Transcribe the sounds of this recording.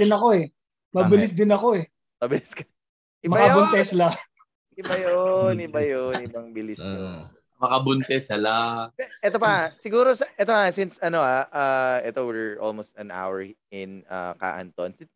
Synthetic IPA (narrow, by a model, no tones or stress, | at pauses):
ɪnɐko̞ɛ | mɐbɪlɪs̬d̪ɪnɐko̞ɛ | mɐbɪlɪskɐ | ʔɪmɐakɐbʊnt̪ɛsla | ɪbajonɪbɐjonɪbɐŋbɪlɪso | mɐkɐbʊnt̪ɛsɐlaɛʔɛt̪opɐsɪɡuːɾosɐʔɛt̪oasɪnsɐnoaʔaɛt̪owɪɹo̰lmost̪̚ɐna̰wɛɹɪnɐ̰ka̰ːʔɐ̰nt̪onsɪn